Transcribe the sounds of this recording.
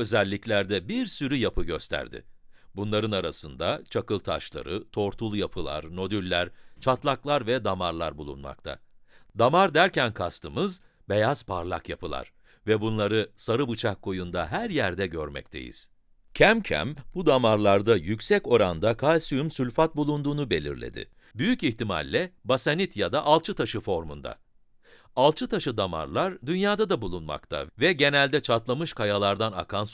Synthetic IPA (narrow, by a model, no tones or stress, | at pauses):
ø̞zɛlʲːiclʲæɾd̪ɛbiɾsyɾyjapʰɯɟøst̪ʰæ̰ɾd̪ɪ̰bunlˠaɾɯnaɾasɯnd̪at͡ʃʰakɯlˠt̪ʰa̰ʃlˠa̰ɾɯt̪ʰo̞ɾt̪ʰulˠjapʰɯlˠa̰ɾno̞d̪ylʲːæɾt͡ʃʰat̪lˠaklˠaɾvɛd̪amaɾlˠaɾbulˠṵnma̰k̚t̪ʰa̰d̪amaɾd̪æɾcænkʰast̪ʰɯmɯz | be̞jaz̥pʰaɾlˠa̰kjapʰɯlˠa̰ɾ̥ | vɛbunlˠaɾɯsaɾɯbɯt͡ʃʰakʰːo̞jund̪aɦæɾjæɾd̪ɛɟøɾmɛ̰c̚t̪ʰe̞̰jḭz̥ | cʰæmcʰæ̰mbud̪amaɾlˠaɾd̪ajycʲsɛco̞ɾand̪akʰalʲsyymsylʲfat̪̚bulˠund̪uːnube̞lʲḭɾlʲḛd̪ɪ̰ | byjyciçt̪ima̰lʲːɛbasanit̪ʰjad̪aʔalˠt͡ʃʰɯt̪ʰaʃɯfo̞ɾmund̪a̰ | alˠt͡ʃʰɯt̪ʰaʃɯd̪ama̰ɾlˠaɾd̪ynjaːd̪ad̪abulˠunma̰kt̪ʰa̰vɛɟe̞nælʲd̪ɛt͡ʃʰat̪lˠamɯʃkʰajalˠaɾd̪ana̰kʰans